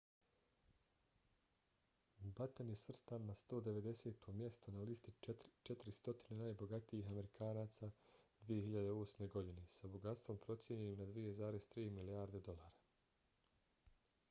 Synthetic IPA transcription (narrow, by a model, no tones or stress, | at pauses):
bat̪anje̞sʋr̩st̪anːast̪o̞ːd̪e̞ʋe̞d̪e̞se̞ːt̪ʰo̞mjest̪onaliːst̪it͡ʃet̪ɾist̪o̞t̪ine̞naːjbo̞ɡat̪iiːɦame̞ɾikʰaːnaːt̪saːd̪ʋijeɦiʎad̪eo̞ːsme̞ɡo̞d̪ine̞saboɡat̪st̪ʋo̞mpɾo̞t̪sjeɲenimnad̪ʋije̞zaːɾezt̪ɾiːmilijaːɾd̪e̞d̪o̞lˠaːɾa